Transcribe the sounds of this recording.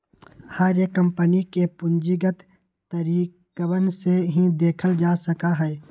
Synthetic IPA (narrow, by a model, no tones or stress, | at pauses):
haːɾjəkːə̃mpənikepʊɲd͡ʒiɡət̪ | t̪əɾiːkəwənseɦĩd̪eːkʰəld͡ʒaːsəkaɦɛː